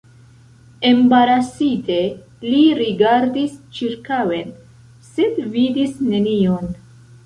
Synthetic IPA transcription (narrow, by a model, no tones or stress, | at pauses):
embaɾasite̞ | liɾiɡaɾdist͡ʃiɾkawe̞n | se̞dvidisne̞nion